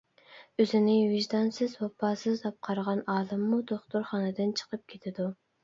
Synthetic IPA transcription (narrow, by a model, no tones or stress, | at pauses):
øzɪnɪvɪʒd̪ɑnsɪzwɑpʰːɑːsɨzd̪ɑp̚qʰɑɾʁɑnɑːlˠɨmːud̪oχt̪uɾχɑnɨd̪ɪnt͡ʃʰə̥qʰəp̚kʲʰet̪ʰɪd̪u